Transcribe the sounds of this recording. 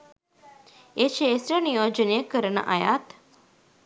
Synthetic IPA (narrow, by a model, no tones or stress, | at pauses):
eʃeːsɾənijoːd͡ʒənijəkəɾənə̰ʔɐjaːt̪